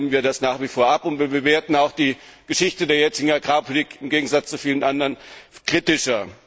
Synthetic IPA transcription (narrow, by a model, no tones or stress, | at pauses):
mənviːɐɾdasnaːχv̥ifoːɐʔapʊntb̥iːɐbəveːɐtn̩aʊxd̥iːɡ̥əʃɪçtədeːɐjɛt͡sɪɡŋ̩aɡʁaːpʰʊliːkɪmɡeːɡŋ̩zat͡st͡sufiːlənʔandɐənkʁ̥itɪʃɐ